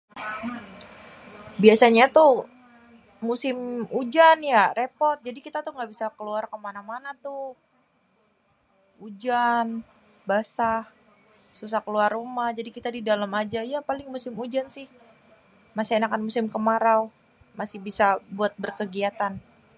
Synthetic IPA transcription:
biasaɲat̪u | musɪmud͡ʒanjarepɔrt̪̚d͡ʒadikit̪at̪uŋɡaʔbisakəluarkəmanamanat̪u | ud͡ʒan | basa | sus̬ahkəluarːumahd͡ʒadikit̪adidalamad͡ʒajapalɪŋmusɪmud͡ʒansɪh | masienakanmusɪmkəmaɾaw | masɪhbisabuat̪̚bərkəɡiat̪an

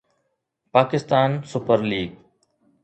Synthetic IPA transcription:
paːkɪst̪aːnsʊpəɾliːɡ

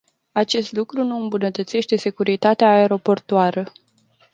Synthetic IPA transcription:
at͡ʃe̞st̪lukɾunuɨmbunət̪ət̪se̞ʃt̪e̞se̞kuɾit̪at̪eaːeɾo̞po̞rt̪oaɾə

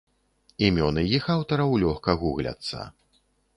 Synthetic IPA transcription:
imʲɔnɨjixawt̪ɐɾɐwlʲɔxkɐɣuɣlʲɐ̰t̪sːɐ̰

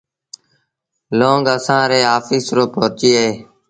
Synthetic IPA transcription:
lõːŋɡəsãːɾeːaːfiːsɾoːpoːɾt͡ʃiːɦeː

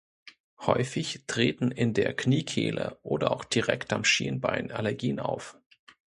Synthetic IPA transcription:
hɔʏfɪçtʁ̥eːtn̩ɪndeːɐkniːkʰḛːlə̰ʔoːdɐʔaʊxd̥iʁɛktamʃiːnba̰ɪnalɛɐɡiːənaʊf

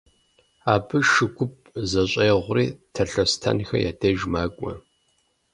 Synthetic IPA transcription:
aːbɨʃɨɡʷʊp̚ʼzɐɕʼɐːjʁʷʊriːtʰɐɬɐstʰɐ̰nxɐ̰ja̰ːdeʒmaːkʷʼɔ̰

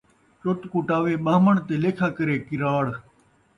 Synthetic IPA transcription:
t͡ʃot̪kuʈaːʋeːɓaːməɳt̪eːleːkʰaːkəɾeːkɪɾaːɽ

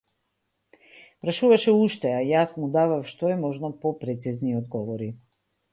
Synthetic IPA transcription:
pɾaʃuvaʃɛuʃt̪ɛajasmud̪avafʃt̪ɔɛmɔʒnɔpɔpɾɛt̪sizniɔd̪ɡɔvɔɾi

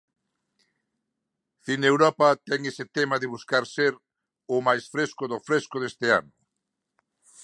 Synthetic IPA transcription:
θinewɾɔpɐt̪ɛŋesɪt̪emɐðɪβuskaɾseɾ | ʊmajsfɾeskʊðʊfɾeskʊðest̪ɪa̰nʊ

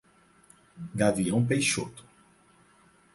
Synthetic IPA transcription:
ɡaviɐ̃w̃p̬ejʃot̪ʊ̥

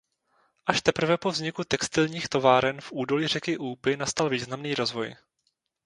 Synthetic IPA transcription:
ʔaʃt̪ɛpr̩vɛpo̞vzɲɪkut̪ɛkst̪ɪlɲiːxt̪o̞vaːɾɛnfʔuːdo̞liːrɛkɪʔuːpɪnast̪alviːznamniːɾo̞zvo̞̰j

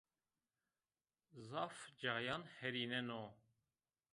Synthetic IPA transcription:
zɑfd͡ʒɑjɑnhɛɾinɛno

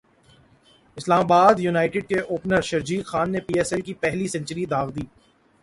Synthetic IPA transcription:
ɪslaːmaːbaːd̪junaːɪʈɪɖ̚keʔoːpnəɾʃɐɾd͡ʒiːkxaːnːepiːɛːsɛlkipɛɦlisɐ̃ɲt͡ʃəɾid̪aːɣd̪iː

